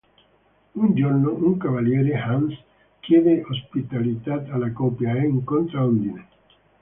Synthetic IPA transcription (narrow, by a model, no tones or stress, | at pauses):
und͡ʒornoʔuŋkavaljɛːɾehans | kjɛːd̪eʔospit̪alit̪at̪alakɔpjaɛŋkont̪ɾaond̪ine